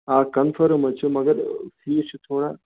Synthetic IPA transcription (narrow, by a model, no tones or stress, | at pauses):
aːkɐnfəɾmɐt͡ʃʰumɐɡəɾsiːt͡ʃʰut̪ʰoːɽa